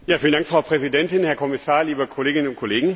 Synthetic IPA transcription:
jaːfiːləndaŋkfʁ̥aʊpʁ̥ɛzidɛntɪnhɛɐkʰɔmɪsaːɐliːbəkʰɔleːɡɪnənʊnt̚kʰɔleːɡŋ̩

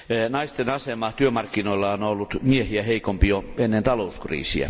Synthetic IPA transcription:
nɑist̪enɑsemɑːht̪yømɑrkːinoilːɑonolːut̪miehiæheikompijoenːent̪ɑlouskrḭːsḭæ̰

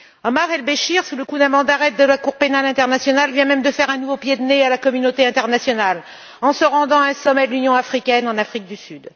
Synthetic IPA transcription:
ɔmaʁɛlbeʃiʁsuləkud̪amɑ̃d̪aʁɛt̪̚d̪əlakuʁpenalɛ̃t̪ɛʁnasjɔnalvjɛ̃mɛmd̪əfɛʁɛ̃nuvopjed̪nealakɔmynot̪eɛ̃t̪ɛʁnasjɔnal | ɑ̃səʁɑ̃d̪ɑ̃ɛ̃sɔmɛd̪əlynjɔ̃afχikʲɛnɑ̃nafχik̚d̪ysyd̪

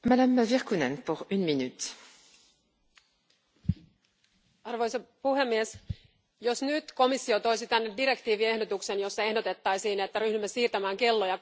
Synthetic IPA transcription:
mad̪amviʁkynɛnpuʁynminyt̪ | ɑrʋo̞jsɑpuhe̞mːie̞s | jo̞snyt̪ko̞misːio̞t̪o̞jsit̪ænːediɾe̞kt̪iːʋie̞hdo̞t̪ukse̞njo̞sːɑe̞hdo̞t̪e̞t̪ːɑjsiːnet̪ːæɾyhdymːesiːrt̪æmæːŋke̞lːojɑ

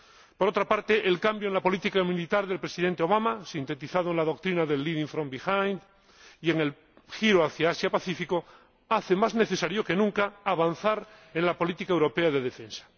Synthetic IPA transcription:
po̞ɾo̞t̪ɾapaɾt̪e̞ʔelkambjoenlapo̞lit̪ikamilit̪aɾðe̞lpɾe̞siðe̞nt̪eo̞β̞amasint̪e̞t̪iθað̞oenlaðo̞k̚t̪ɾinaðe̞lːiðiɱfɾombixajn | ie̞ŋe̞l | xiɾoaθjaasjapaθifiko̞ | aθemazne̞θe̞saɾjo̞ke̞nũŋkaːβan̟θaɾe̞nlapo̞lit̪ikaewɾo̞peaðe̞ðe̞fẽnsḁ

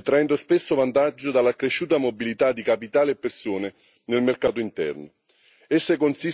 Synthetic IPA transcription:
t̪ːɾaɛnd̪ospesːovant̪ad͡ʒːod̪alːakɾeʃːuːt̪amobilit̪ad̪ːikapit̪aːleepːersoːne | nelmerkaːt̪oint̪ɛ̰rno | esːekonsi

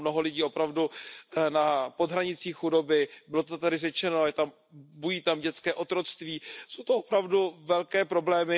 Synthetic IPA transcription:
mno̞ɦolɪɟiːo̞pɾavdunapod̪ɦɾaɲɪt͡siːxxudo̞bɪbɪlo̞t̪ot̪adɪrɛt͡ʃɛnoajɛt̪am | bujiːt̪amɟɛt͡skɛːʔo̞t̪ɾo̞t͡st̪viːsowt̪oopɾavduvɛlkɛːpɾo̞blɛːmɪ

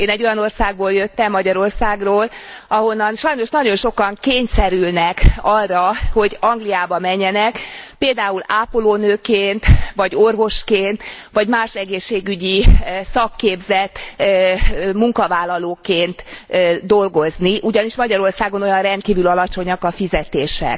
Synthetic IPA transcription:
eːnɛɟːo̞jɒno̞rsaːɡ̚boːljøt̪ːɛmːɒɟɒɾo̞rsaːɡroːl | ɒɦo̞nːɒnʃɒjno̞ʃnɒɟo̞nʃo̞kɒŋkeːɲsɛɾylnɛkɒrːɒho̞ɟɒŋɡlijaːbɒmɛɲːɛnɛkpeːld̪aːulaːpoloːnøːkeːnt̪ʋɒɟo̞rvo̞ʃkeːnt̪ʋɒɟmaːʃɛɡeːʃːeːɡyɟisɒkːeːbzɛt̪ | muŋkɒvaːlːɒloːkeːnt̪d̪o̞lɡo̞zniʔuɟɒniʃmɒɟɒɾo̞rsaːɡo̞no̞jɒnrɛnt̪̚kiːvylɒlɒt͡ʃo̞ɲɒkɒfizɛt̪eːʃɛ̰k

